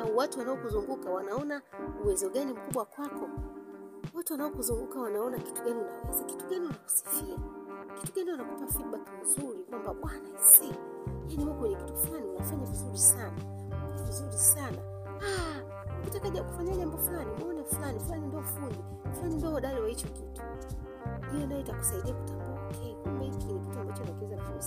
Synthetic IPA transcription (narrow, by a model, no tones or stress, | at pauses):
awatuwanaɔkuzuŋɡukawanaɔnauwɛzɔɠanim̩kuɓwakwakɔ | watuwanaɔkuzuŋɡukawanaɔnaki̥tuɡaniunalɛzaki̥tuɡaniwanaku̥si̥fiaki̥tuɡaniwanakupafit̚ɓakmizuɾikwambaɓwanaisi | janihukwɛɲɛki̥tuflaninafaɲavizuɾisana | nɔvizuɾisana̰ | a | ukitataʄaku̥faɲaʄambɔfulanimɔnɛfulanifulanindiɔfuɲi | flanindɔaɗaliwahit͡ʃɔkitu̥ | ndijɔnajɔitaku̥saiɗiaku̥tambukʰɛkumɛitkwɛɲɛkituambat͡ʃɔnakɛzanafus